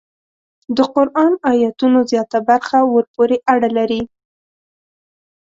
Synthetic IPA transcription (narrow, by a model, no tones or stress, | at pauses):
d̪əqʊɾʔɑnɑjat̪unozjɑt̪abaɾxawəɾpoɾeʔaɽalaɾi